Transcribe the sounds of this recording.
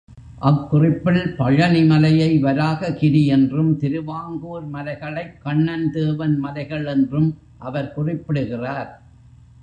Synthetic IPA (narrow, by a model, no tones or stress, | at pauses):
ʔɐkːʊrɪpːɪlpɐɻɐnɪmɐlɐjɐɪʋɐɾaːɣɐkɪɽijɛndrɯmt̪ɪɾɯʋaːŋɡuːɾmɐlɐɪɣɐɭɐɪkːɐɳːɐnd̪eːʋɐnmɐlɐɪɣɐɭɛndrɯm | ʔɐʋɐɾkʊrɪpːɪɽɯɣɪraːɾ